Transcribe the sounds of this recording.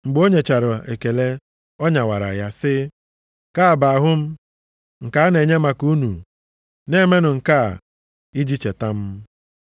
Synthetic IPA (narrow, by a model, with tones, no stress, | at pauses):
ŋ͡m̩˨ɡ͡bo˦ɲe˨t͡ʃa˨ɾʊ˨e˨ke˨le˦ | ɔ˦ɲa˨wa̰˨ɾa̰˨ja˦sɪ˦ | ka˦a˨ba˨a˨ɦʊ˦m̩˦ | ŋ̩˨ka˨a˦ne˨ɲe˦ma˨ku˦nṵ˨ | ne˦me˦nʊ˨ŋ̩˨ka˦˨ | i˦d͡ʒi˦t͡ʃe˨ta˦m̩˦